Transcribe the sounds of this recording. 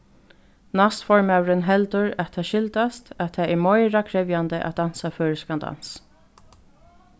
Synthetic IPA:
nast̪fɔɹmawɾɪnɦɛlt̪ʊɹat̪ʰɛːʃɪlt̪ast̪æt̪ʰaɛɹmɔjɹakʰɾɛvjant̪əʔa̰d̪ansaføːɹskand̪a̰ns

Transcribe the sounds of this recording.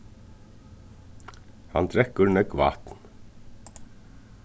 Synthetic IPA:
ha̰nt̪ɾɛkːɵɾnɛkʋa̰ːt̪n

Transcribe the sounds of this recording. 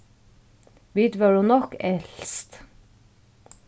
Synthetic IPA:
ʋiːt̪ʋøɖuːnɔkɛlst̪

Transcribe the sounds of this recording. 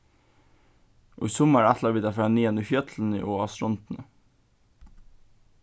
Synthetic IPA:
ʔo̰ːiːsɔmæɾæt̪ʰlɑʋiːd̪ɑfɾɑːniːɛnifjœt̪ʰln̩ḭːʔoːɑsɾɔnt̪n̩ə

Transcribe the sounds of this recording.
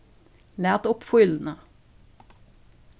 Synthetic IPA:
læːʁt̪ʊpfʊln̩ə

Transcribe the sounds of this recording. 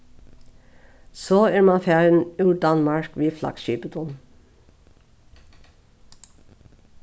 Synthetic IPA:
soːæːɾmɑnfæːɾənʉːɖɑnmɑɹkʋiːflɑ̰ɡ̥ʃyːpəd̪ʰʊn

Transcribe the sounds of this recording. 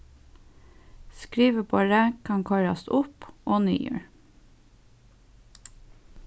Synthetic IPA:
skɹiːʋəpʰoɾɛkʰɑŋkʰɔɾɑ̰st̪ʊpoːny̰ːjø̰ːɹ

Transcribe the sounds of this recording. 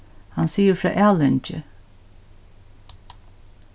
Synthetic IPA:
hansiːəfɾɑ̰ːʔæːlɛnt͡ʃə̰

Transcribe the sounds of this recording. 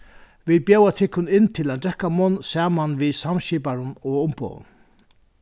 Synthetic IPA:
ʋiːð̚bjɛwat̪ʰɪkːʊnɪnːt̪ʰɪlant̪d̪ɾɛhkːamɔnːsɛːmanvisamɕiːpaɾʊnɔʊmpɔ̰ːwʊ̰n

